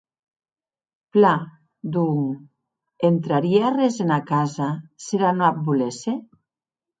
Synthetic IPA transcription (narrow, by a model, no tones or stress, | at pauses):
pla | d̪uŋ | ent̪ɾaɾiarezenakazaseɾanoap̚bulese